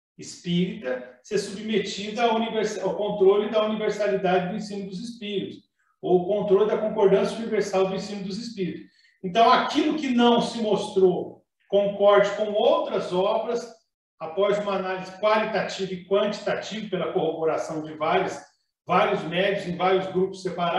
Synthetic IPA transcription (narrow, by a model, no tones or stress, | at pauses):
ɪspiɾit̪ɐsesubmet͡ʃid̪ʊauniveɾsawkõnt̪ɾolɪd̪ɐuniveɾsalid̪ad͡ʒɪd̪ʊẽsĩmɐd̪ʊzispiɾit̪ʊs | owʊkõnt̪ɾolɪd̪ɐkõŋkoɾd̪ɐ̃sjɐuniveɾsawd̪ʊẽsĩmɐd̪ʊzispiɾit̪ʊ̥s | ẽnt̪ɐ̃w̃akilʊkɪnɐ̃w̃sɪmost̪ɾo | kõŋkɔɾd͡ʒɪkõw̃owt̪ɾɐzɔbɾɐs | apɔzũmɐanalizɪkwalit̪at͡ʃivɐɪkwɐ̃nt͡ʃi̥t̪at͡ʃivɐpelɐkohoboɾasɐ̃w̃d͡ʒɪvaɾjɐs | vaɾiʊzmɛd͡ʒjʊzẽj̃vaɾjʊzɡɾupʊ̥sːepaɾa